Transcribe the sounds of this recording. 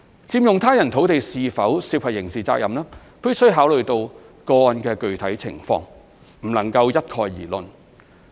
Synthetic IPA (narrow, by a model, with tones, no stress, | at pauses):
t͡siː˧mjʊ˨ŋt̪ʰaː˥jɐ˨˩nt̪ʰo˨˥wt̪e˨jsiː˨fɐ˨˥wsiː˧k̚wʰɐ˨˩jɪ˨˩ŋsiː˨˩t͡sa̰ː˧k̚jɐ˨mlaː˥ | pi˥sɵ˥ɥɦaː˨˥wlɵ˨ɥt̪o˧w | kɔː˧nkɛː˧kɵ˨ɥt̪ʰɐ˨˥jt͡sʰɪ̰˨˩ŋfɔ̰ː˧ŋ | m̩˨˩lɐ˨˩ŋkɐ˧wjɐ˥t̚kʰɔː˧jːiː˨˩lɵ˧n